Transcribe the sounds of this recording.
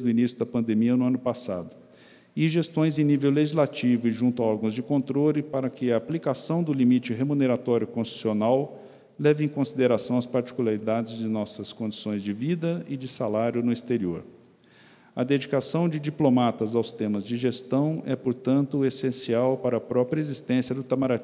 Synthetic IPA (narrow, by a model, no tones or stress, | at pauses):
zd̪ʊinisjʊd̪ɐpɐ̃nd̪emiɐnʊɐ̃nʊpasa̰d̪ʊ | ɪʒest̪õj̃zẽj̃nivewleʒizlat͡ʃivʊɪʒũnt̪ʊɐɔɾɡɐ̃w̃zd͡ʒɪkõnt̪ɾolɪpaɾɐkɪɐːplikasɐ̃w̃d̪ʊlimit͡ʃɪɦemuneɾat̪ɔɾjʊkõst͡ʃi̥sionaw | lɛvɪẽj̃kõsid̪eɾasɐ̃w̃ɐspaɾt͡ʃi̥kulaɾid̪ad͡ʒɪzd͡ʒɪnɔsɐskõd͡ʒisõj̃zd͡ʒɪvid̪ɐɪd͡ʒɪsalaɾjʊnʊist̪eɾio̰ɾ | ɐd̪ed͡ʒikasɐ̃w̃d͡ʒɪd͡ʒiplomat̪ɐzawst̪ẽmɐzd͡ʒɪʒest̪ɐ̃w̃ɛpoɾt̪ɐ̃nt̪ʊesẽsiawpaɾɐːpɾɔpɾjɐezist̪ẽsjɐd̪ʊt̪amaɾat͡ʃĩ